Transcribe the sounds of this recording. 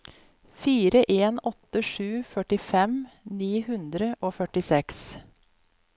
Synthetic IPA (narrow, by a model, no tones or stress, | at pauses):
fiːɾəʔeːnɔt̪əʂʉːfœʈɪfɛmniːhʉnd̪ɾəʔoːfœʈɪsɛks